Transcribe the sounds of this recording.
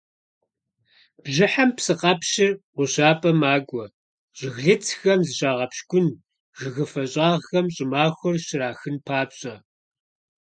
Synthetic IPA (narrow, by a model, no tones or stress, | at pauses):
b̥ʑɪħampsɨqɐpɕɪqʷʊɕaːpʼɐmaːɡʷɔ | ʑ̥ɪɣɮɨt͡sʰxɐmzɨɕʼaːʁɐpʃkʷʊn | ɣɨɣɨfɐɕʼɑːʁxɐmɕʼɪmaːxʷʊrɕɪɾaːxɨnpʰaːpɕʼɐ